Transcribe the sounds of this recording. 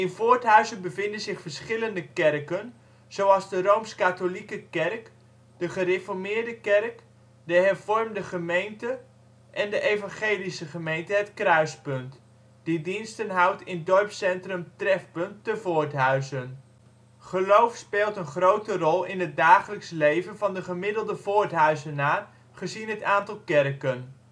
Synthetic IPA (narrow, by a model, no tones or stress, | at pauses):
ɪnvʊːtɦœɥzənbəvɪndənzɪχfərsχɪləndəkɛrkən | z̥owɑlˠzdərowmskatolikəkɛrk | dəχərefɔrmɪːɹdəkɛrk | dəɦɛrv̥ɔrmdəχəmejntə | ʔɛndəʔejvɑnχeːlisəχəmejntəɦətkrœɥspɵnt | d̥idinstənɦʌwtɪndɔɹpsɛntrəmtrɛfpɵntːəvʊːɹtɦœɥzən | χəlowfspeːlˠtənχrowtərɔlˠɪnɦət̚daːχələkslejvənvɑndəχəmɪdəlˠdəvʊːɹtɦœɥzənaːr | χəzinɦətaːntɑlˠkɛrkən